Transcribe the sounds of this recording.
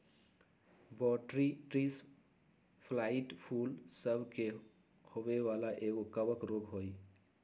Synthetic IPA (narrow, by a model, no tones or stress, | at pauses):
bɔʈɾiʈɾis | pʰlaiʈpʰulsəbʱke | hobewalaʔeɡokəbəkɾoɡɦoj